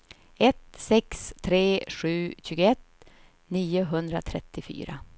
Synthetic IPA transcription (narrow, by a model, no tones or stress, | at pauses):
ɛt̪sɛkst̪ʰɾeːʂʉ̟ːɕʉːɡəɛt̪ | niːʊɦɵnd̪ɾa̰t̪ʰɾɛt̪ːɪfy̰ːɾa